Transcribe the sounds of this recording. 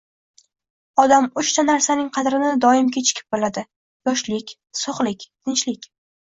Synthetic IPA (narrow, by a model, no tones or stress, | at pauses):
ɒd̪amʊt͡ʃt̪ʰanaɾsanɪŋqʰɑd̪ɾɪnɪd̪ɒɪmkʲʰet͡ʃʰɪ̥kʲʰɪ̥p̚bolad̪ɪ | jɒʃlɪkʲ | soχlɪkʲt̪ʰɪnt͡ʃlɪkʲ